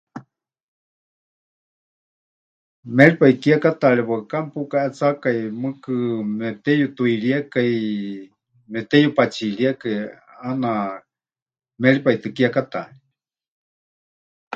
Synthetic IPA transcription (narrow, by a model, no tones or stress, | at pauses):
mɛlipaikiakat̪aɺiβakampukaʔɛt͡sakajmɨkɨmɛt̪ɛjut̪uiɺiakaj | mɛt̪ɛjupat͡ʃiɺiakaj | ana | mɛlipait̪ɨkiakat̪a̰li